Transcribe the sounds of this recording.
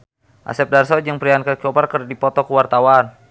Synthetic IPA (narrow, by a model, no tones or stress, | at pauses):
ʔa̰sɛp̚darsɔd͡ʒəŋpəɾiankarkiɔparkərdipɔt̪ɔkəwart̪awan